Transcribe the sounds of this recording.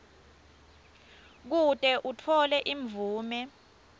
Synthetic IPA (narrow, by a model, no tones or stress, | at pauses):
k̬utʼɛʔutʰɔlɛʔiɱvuːmɛ